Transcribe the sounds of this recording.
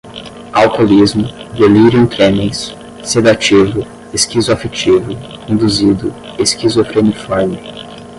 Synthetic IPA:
awkolizmʊd̪eliɾiõt̪ɾẽmĩsː | ed̪at͡ʃivʊ | eskizʊafet͡ʃivʊĩd̪uzid̪ʊ | eskizofɾenifɔɾmɪ

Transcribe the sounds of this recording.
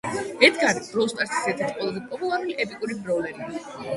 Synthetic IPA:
ɛt̪ʰɡaɾib̪̥ɾɔst̪ʼaɾsi̥sɛt̪ʰit̪ʰqʼwɛlˠazɛpʼɔpʼulˠaɾuliʔɛpʼikʼuɾibɾɔvlɛɾi

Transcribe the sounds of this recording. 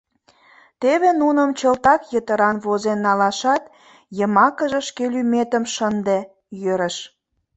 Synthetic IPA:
t̪eβenunəmt͡ɕəlt̪ɑkjət̪əɾɑnβozenːɑlɑʃɑt̪ | jəmɑkəʒeʃkelymet̪ə̆mʃənd̪e | jøɾəʃ

